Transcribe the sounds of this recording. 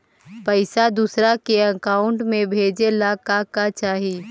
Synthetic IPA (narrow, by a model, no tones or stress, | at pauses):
pəɪsad̪usɾakeəkaːʊɳʈmẽbʱeːd͡ʒelakakat͡ʃaːɦi